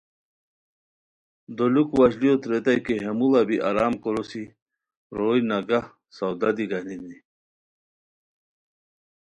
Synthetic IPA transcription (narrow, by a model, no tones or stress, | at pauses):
d̪olukwaɕliot̪ɾet̪ajkeɦemulabiʔaɾaːmkoɾosi | ɾoːjnaɡa | sawd̪ad̪iɡaninni